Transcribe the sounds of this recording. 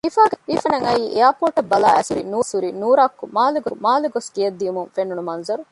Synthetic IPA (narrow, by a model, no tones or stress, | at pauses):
ifaːɡeifɐnɐŋɐiːʔejaːpoːʈɐbːɐla̰ːʔæsuɾinuːsuɾinuːɾaːkːumaːluɡomaːluɡoskijɐd̪ːijumuŋfenːunumɐnzɐɾu